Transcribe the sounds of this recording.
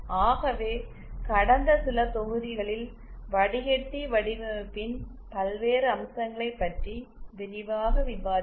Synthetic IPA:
aːɣɐʋeː | kɐɽɐnd̪ɐsɪlɐt̪ɔɣɯðɪɣɐɭɪl | ʋɐɽɪɣɛʈ̪ːiʋɐɽɪʋɯpːɪn | pɐlʋeːɾɯɐmsɐŋɡɐɭɐɪpːɐʈriʋɛnɪʋaːɣɐʋɪʋaːɾ

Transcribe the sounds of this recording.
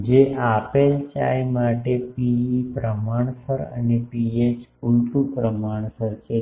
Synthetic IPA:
d͡ʒeʔapelt͡ʃa̰jmaʈepiipɾəmaɳ̃səɾə̰nepiet͡ʃulʈupɾəmaɳ̃səɾt͡ʃʰe

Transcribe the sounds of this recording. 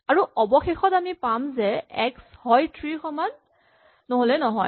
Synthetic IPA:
aɹuɔbɔxexɔtamipamzɛɛkshɔjtʰɹixʰɔmanː | oɦolɛnɔɦɔj

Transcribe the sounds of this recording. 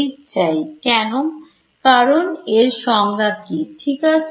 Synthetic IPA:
it͡ɕajkɛno | kaɾoneɾʃɔŋɡab̚kiʈʰikas

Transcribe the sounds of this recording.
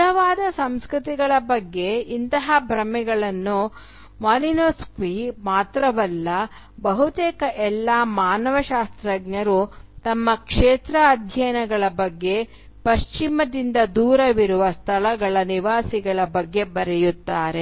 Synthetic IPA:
ɐʋaːd̪ɐsɐmskɾut̪iɡɐɭɐbɐɡːe̞int̪ɐɦɐbʱɾɐmɛɡɐɭɐnːu | maːlinoːskʋimaːt̪ɾɐʋɐlːɐ | bɐɦut̪eːkɐʔɛlːaːmaːnɐʋɐʃaːst̪ɾɐɡɲɐɾut̪ɐmːɐkʂeːt̪ɾɐːd̪ʱjɐjnɐɡɐɭɐbɐɡːe̞ | pɐʃt͡ʃimɐd̪ind̪ɐd̪uːɾɐʋiɾuʋɐst̪ʰɐɭɐɡɐɭɐniʋaːsiɡɐɭɐbɐɡːe̞bɐɾɛjut̪ːaːɾe̞

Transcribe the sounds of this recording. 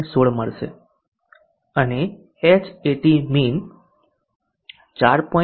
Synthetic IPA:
soɭməɭʃḛ | əne | et͡ʃeʈimin | t͡ʃaɾpɔ

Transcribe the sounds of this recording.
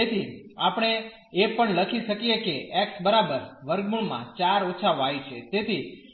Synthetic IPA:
et̪ʰiapəɳ̃e | epəɳləkʰiʃəkijekeʔɛksbəɾabəɾʋəɾɡmuɳmã̰t͡ʃaɾot͡ʃʰaʋoajt͡ʃʰet̪et̪ʰi

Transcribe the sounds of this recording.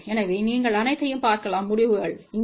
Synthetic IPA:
ɛnɐʋiːniːŋɡɐɭɐnɐɪt̪ːɐjɯmpaːɾkɐlaːmːʊɽɪʋɯɣɐɭɪŋ

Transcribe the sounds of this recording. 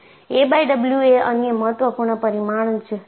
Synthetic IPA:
ebajɖəbljueənjəməɦət̪ʋəpuɾɳəpəɾimaɽ̃ənt͡ʃʰe

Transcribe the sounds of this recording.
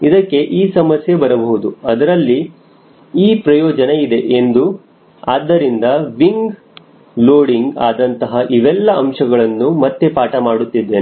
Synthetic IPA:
id̪ɐkːe̞ʔiːsɐmɐsje̞bɐɾɐbɐɦud̪uɐd̪ɐɾɐlːi | iːpɾɐjɔːd͡ʒɐne̞id̪e̞ʔend̪u | aːd̪ːɐɾind̪ɐʋiŋɡ | loːɽiŋɡa̰ːd̪ɐnt̪ɐɦɐʔiʋɛlːɐɐmʂɐɡɐɭɐnːumɐt̪ːe̞paːʈɐmaːɽut̪ːid̪ːeːn

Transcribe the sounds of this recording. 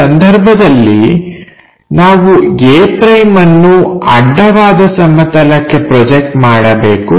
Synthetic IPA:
ɐnd̪ʱɐɾbʱɐd̪ɐlːi | naːʋuɡeːpɾɐjmɐnːuɐ̰ɖːɐʋaːd̪ɐsɐmːɐt̪ɐlɐkːe̞pɾɔd͡ʒek̚ʈmaːɽɐbeːku

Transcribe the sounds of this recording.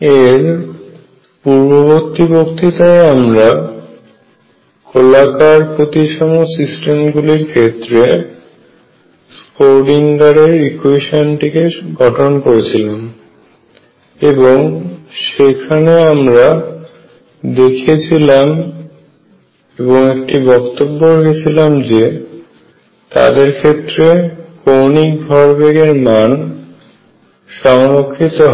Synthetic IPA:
eɾ | puɾbobokt̪ibokt̪it̪aeamɾa | kʰolakaɾpot̪iʃɔmosisʈemɡuliɾkʰet̪ːɾe | spoɾɖiŋɡaɾeɾikueʃonʈikeɡʱɔʈʰonkoɾet͡ɕʰilam | eboŋʃekʰaneamɾa | d̪ekʰet͡ɕʰilam | eboŋekʈibɔkt̪obːoɾekʰet͡ɕʰilamd͡ʑe | t̪a̰d̪eɾkʰet̪ːɾekonik̚bʱɔɾbeɡeɾman | ʃɔŋɾokʰːit̪oɦ

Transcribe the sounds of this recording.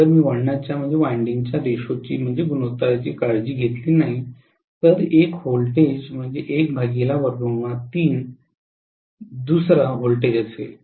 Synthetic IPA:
təɾmiːʋəɽɳat͡ɕjam̤əɳd͡zeʋaɳɖiŋɡt͡ɕjad̪eɕot͡ɕiːm̤əɳd͡zeɡunot̪aɾat͡ɕiːkaɽd͡ʑiːɡʱet̪liːnaɦi | t̪əɾekholʈed͡ʑm̤əɳd͡zeʔek̚bʱaɡilaʋəɾɡəmat̪iːn | d̪usɾaɦolʈed͡ʑəsḛl

